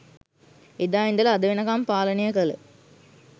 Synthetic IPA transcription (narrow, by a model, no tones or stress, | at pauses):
id̪aːind̪ɐlɐɐd̪ɐʋinɐkaːmpaːlɐnijɐkɐlə